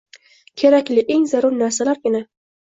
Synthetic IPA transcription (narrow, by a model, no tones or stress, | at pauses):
kʲʰe̞ɾakʲlɪʔe̞ŋzaɾʊɾnaɾsalaɾɡʲɪna